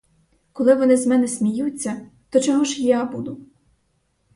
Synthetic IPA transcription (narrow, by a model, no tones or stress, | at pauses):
kɔlˠɪʋɔnɪzmɛnɛsʲmʲijut͡sʲːɐt̪ɔt͡ʃɔɦɔʒjabud̪ʊ